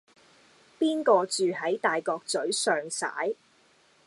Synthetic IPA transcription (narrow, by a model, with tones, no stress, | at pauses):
piː˥nkɔː˧t͡ʃyː˨ɦɐ˨˥jt̪aː˨jkɔː˧k̚t͡sɵ˨˥ɥsœː˨ŋsa̰ː˨˥j